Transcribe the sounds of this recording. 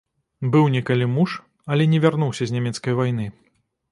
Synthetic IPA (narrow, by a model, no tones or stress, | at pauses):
bɨwnʲɛkalʲimuʂ | ɐlʲɛnʲɛvʲarnuwsʲɐzʲnʲamʲɛt̪skɐjvajnɨ